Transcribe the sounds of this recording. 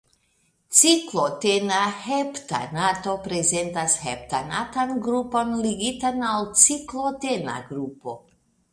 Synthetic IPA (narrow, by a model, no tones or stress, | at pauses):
t͡siklotenahepta̰nato̞pɾe̞zentashep̚tanatanɡɾupo̞nliɡitanalt͡siklotena̰ɡɾupo̞